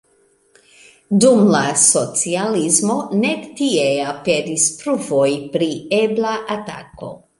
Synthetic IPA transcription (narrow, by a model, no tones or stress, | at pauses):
dumlaso̞t͡sializmo̞ne̞ktie̞apedispɾuvo̞jpɾieblaʔata̰ko̞̰